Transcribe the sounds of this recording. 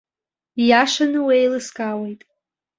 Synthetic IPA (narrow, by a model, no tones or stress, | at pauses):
jaʂanɨwejlɨskʼawejtʼ